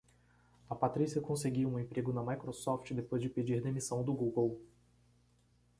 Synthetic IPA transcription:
ɐpat̪ɾisiɐkõseɡiwũẽpɾeɡʊnɐmajkɾosɔft͡ʃɪd̪epojzd͡ʒɪped͡ʒiɾd̪emisɐ̃w̃d̪ʊɡuɡow

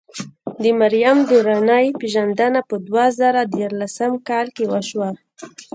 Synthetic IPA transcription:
d̪əmaɾijamd̪uɾanajpeʒand̪anapəd̪wazaɾad̪jɑɾlasamkɑlkewəʃwa

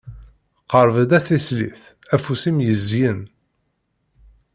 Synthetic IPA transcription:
qəɾˤvəd̪æθæslḭθ | æfusimjəzjən

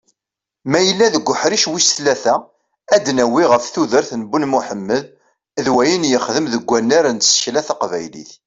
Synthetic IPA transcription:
mæjəlːæðəɡʷːʊħɾiʃwisθlæθæ | æd̪næwiʁəfθuðəɾθnəbunmuħəmːəð | ðwæjənjəχðəmðəɡʷːænːaɾænt̪sə̥çlæθɑqvæ̰jlḭθ

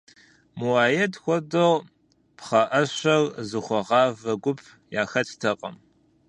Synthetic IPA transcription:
muwaːjɛtʰxʷɔdoʁ | pχɐʔɐɕʷɐrzɨχʷɔʁɑːvɐɡʷʊpʰ | jaːxɐtʰtʰɐqʼɐ̰m

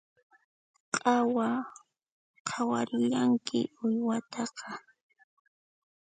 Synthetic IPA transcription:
qʼɑwa | qʰawaɾɪʎaŋkʰɪ̰ʊjwat̪ʰɑqɑ

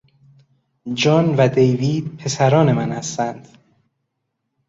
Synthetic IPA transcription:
d͡ʒɒːnvæd̪ejviːd̪̥̚pʰe̞sæɾɒːne̞mænhæst̪ænd̪̥

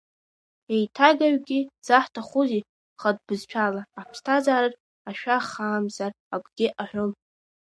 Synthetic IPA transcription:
ejtʰaɡaɥɡʲiz̥aħtʰaχʊzi | χad̚bɨzt͡ʃʷʰalaːpʰstʰazaːɾarʼ | aʃᶣaχaːmzar | akʷʼɡ̥ʲɪʔaħᶣʷʊl

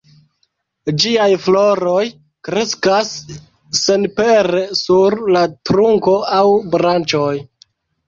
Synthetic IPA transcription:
d͡ʒiajflo̞ɾo̞j | kɾe̞skasː | enpeɾesuɾlatɾuŋko̞awbɾant͡ʃo̞j

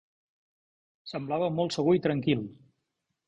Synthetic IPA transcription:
səmblaβəmɔlˠt̪səɣuit̪ɾəŋkilˠ

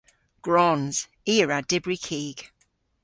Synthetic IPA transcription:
ɡ̥ɹɔnz̥ | iːəɹad̥ɪbɹikʰiːɡ̥

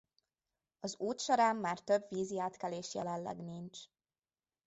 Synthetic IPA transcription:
ɒzuːt̪ʃɒɾaːmːaːrt̪ø̞bʋiːziaːt̪kɛleːʃjɛlɛnlɛ̰ɡnint͡ʃ

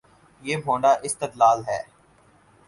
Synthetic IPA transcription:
jeːmʱõːɳɖaːʔɪst̪ɪt̪laːlɦɛː

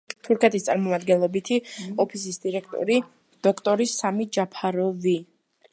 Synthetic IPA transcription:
t̪ʰuɾkʰɛt̪ʰist̪sʼa̰ɾmɔmad̪ɡɛnlˠɔbit̪ʰiɔpʰis̬isd̪iɾɛkʰt̪ʼɔ̰ɾi | d̪̥ɔkʰt̪ʼɔɾisamid͡ʒapʰaɾɔvi

